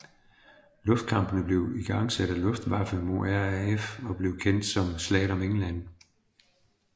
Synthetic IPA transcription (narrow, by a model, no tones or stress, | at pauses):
lɔ̽fd̥̚kʰɑ̈mb̥ənəb̥le̝ʊiɡ̥ɑ̈ŋ̰sæɾ̥ælɔ̽fd̥ʋɑ̈fəmo̝æɐefɒ̽b̥le̝ʊkʰen̰d̥sɒ̽mslɛ̰ːɾ̥ɒ̽meŋn̩lænə